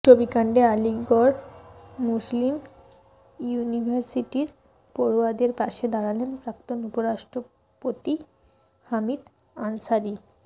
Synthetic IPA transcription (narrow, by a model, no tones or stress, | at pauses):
ʈobikaɳɖealiɡoɾmuslim | junibʱaɾsiʈiɾ | poɾoad̪eɾpaʃed̪aɾalenpɾak̚t̪onupoɾaʃʈɾo | pot̪i | hamid̪ | ansaɾi